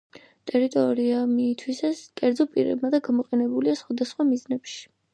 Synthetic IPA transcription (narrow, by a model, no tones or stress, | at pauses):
t̪ʼɛɾit̪ʼɔɾiamit̪ʰwisaskʼɛɾd̪zɔpʼḭɾɛ̰bmad̪aɡamɔqʼɛnɛbuliasχwad̪asχwamiznɛpʃi̥